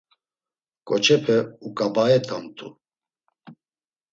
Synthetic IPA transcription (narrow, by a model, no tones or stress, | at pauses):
kʼɔt͡ʃʰʼɛpʰɛukʼabaɛt̪ʰʼamt̪ʼṵ